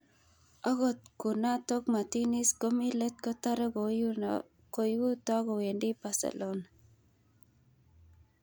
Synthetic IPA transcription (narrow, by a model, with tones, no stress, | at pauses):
a˦ɣɔ˦t̚ku˨na˦to˦kma˨ti˦ni˦sko˦mi˦le˦t̚kɔ˦ta˦ɾe˦ko | ko˨jwu˦ta˦ko˨we˨ndi˦pa˨sḛ˨lona